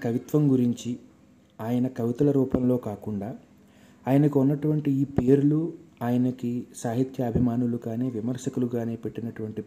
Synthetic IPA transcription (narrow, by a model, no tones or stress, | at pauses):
kɐʋit̪ʋɐmɡuɾiɲt͡ʃi | aːjɐnɐkɐʋit̪ɐlɐɾuːpɐmlo̞ːkaːkuɳɖaː | aːjɐnɐkiunːɐʈuʋɐɳʈiiːpeːɾuluaːjɐnɐkisaːɦit̪jɐːbʱimaːnulukaːne̞ːʋimɐɾʂɐkuluɡaːne̞ːpe̞ʈːinɐʈuʋɐɳʈi